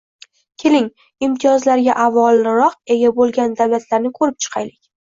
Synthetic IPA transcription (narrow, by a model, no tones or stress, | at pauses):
kʲʰe̞lɪŋ | ɪmt̪ʰijɒzlaɾɡʲaʔavɒlˠɪɾɒq̚e̞ɡʲabolˠɡʲand̪awlat̪laɾnɪkʰɵɾɪp̚t͡ʃʰɨ̥qʰɑjlɪkʲ